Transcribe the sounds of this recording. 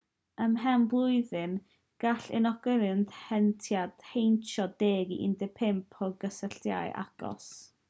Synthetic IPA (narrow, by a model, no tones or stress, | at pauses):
əmɦɛmblˠʊɨðɨm | ɡ̥aɬɪ̰nɔɡɔlɨndhɛntʰjad̥hejnt͡ʃʰɔdeːɡiʔɪ̰ndɛpʰɪmpʰɔɡəsəɬtja̰ɨʔa̰ɡ̥ɔ̰s